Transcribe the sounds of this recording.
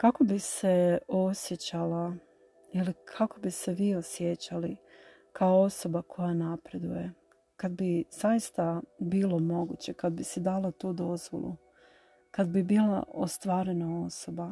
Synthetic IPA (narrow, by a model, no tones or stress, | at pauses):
kako̞bise̞o̞sje̞t͡ɕala | ilikʰako̞bise̞ʋiːo̞sjet͡ɕali | kaoo̞so̞bakʰo̞janapɾe̞d̪uje̞ | kad̪biz̥ajist̪abiːlˠo̞mo̞ɡṵt͡ɕe̞kad̪̚bised̪alˠat̪uːd̪o̞zʋo̰lˠṵ | kad̪bibiːla̰ost̪ʋaːɾe̞nao̞so̞ba